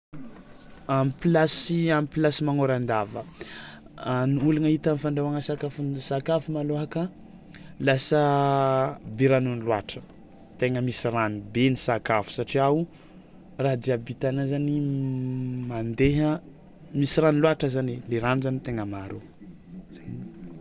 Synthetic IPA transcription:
amipilasiamipilasimaŋoɾand̪avə | nulanəit̪anifaɳɖ͡ʐawaŋəsakafunsakafumaloɦakə | lasə | biɾanunilwa̰ʈ͡ʂə̥ | t̪eŋəmisiranibenisakafu̥saʈ͡ʂiau | raɦd̪iabit̪anazani | mand̪eɦə | misiranilwaʈ͡ʂəzaneleɾanuzanit̪eŋəmaɾu | z̥ani

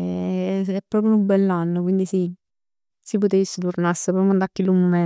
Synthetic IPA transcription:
ɛpːɾɔːpɾjuumbɛlːanːokwind̪isi | sipot̪esːet̪urnasːepɾɔpjond̪akːilumomɛ

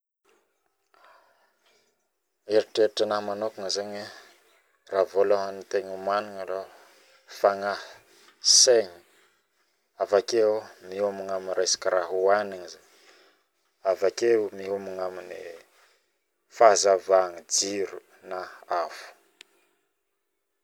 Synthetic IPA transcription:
eɾiʈ͡ʂeɾiʈ͡ʂənahmanokuŋəzaɲi | raːvolaɦanit̪eɲumaniŋalo | faŋa | seɲi̥ | avakemiumiŋaminrajsḁkʲiɾaɦuaniɲizaɲ | avakemiɦumiŋamini | fazavaŋid͡ziɾu | naafu̥

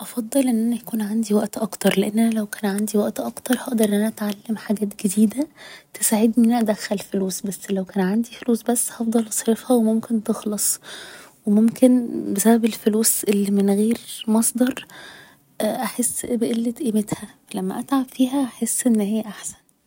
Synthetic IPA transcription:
ʔɑfɑd̪ˤːɑlʔenːʔænæjækuːnʕand̪iwæʔt̪ʔɑkt̪ɑɾˤleʔenːʔænælæwkæːnʕand̪iwæʔt̪ʔɑkt̪ɑɾˤhɑʔd̪ɑɾˤʔnːʔænæʔæt̪ʕalːemħaɡæːt̪ɡed̪iːd̪æt̪esaʕed̪ʔenːʔænæʔæd̪æxːælfoluːsbæsːlæwkæːnʕand̪ifoluːsbæsːhɑfd̪ˤɑlʔɑsˤɾefhæwemomkent̪exlɑsˤwemomkenbesæbæbelfoluːsʔelːimenɣeːɾmɑsˤd̪ɑɾˤ | ʔʔaħesːbeʔelːet̪ʔemet̪hæfælæmːæ̰ʔæt̪ʕabfiːɦæʔaħesːʔenːhejːæʔaħsæ̥n

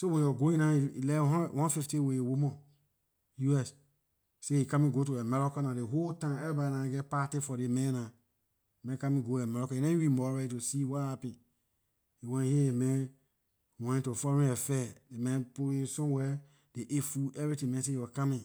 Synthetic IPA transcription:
sowɛ̃jɔɡoĩnãiḭlɛɔ̃wãnfiftĩweewomɔ̃ | juɛs | seikãmĩɡot̬oɛmɛɾɔkɔnadeɦoltãmɛɾibadinãɡɛpatifɔdemɛ̃na | emɛ̃kãmĩɡoɛmaɾɔkɔjinãjiwimɔɾaitosiwahapĩ | iwɛ̃nhiemɛ̃n | wɛ̃ntofɔɾĩɛfɛdemɛ̃npuesɔ̃wɛ | d̥eʔefuɛvɾitĩmɛ̃s̬ejɔkamĩ

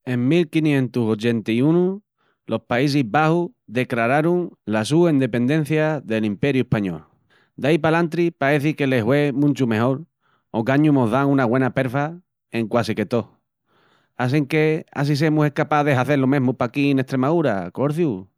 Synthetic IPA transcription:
e̞ŋmilkinjẽ̞nt̪uso̞t͡ʃe̞nt̪iunu | lʔo̞spais̬iɦβahuðe̞klaɾaɾuŋlas̬uend̪e̞pe̞nd̪ẽ̞n̟θjaðe̞limpe̞ɾjue̞hpaɲo̞̰l | d̪ajpalant̪ɾipaɾe̞θike̞le̞ɦwe̞mũnt͡ʃume̞ɦo̞ɾ | oɣaɲumoɦðaŋũnaɣwe̞nape̞ɾfa | e̞ŋkwasike̞t̪o̞ | as̬eŋke̞a̰s̬is̬e̞muse̞hkapaðe̞ɦaθe̞ɾlomẽɦmupakineht̪ɾe̞maðuɾako̞ɾθju

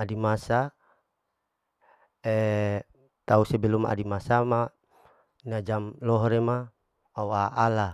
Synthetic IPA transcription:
adimasa | e | t̪ausebeluma̰ʔa̰dimasama | nad͡ʒamlɔɦɔɾema | auaʔala

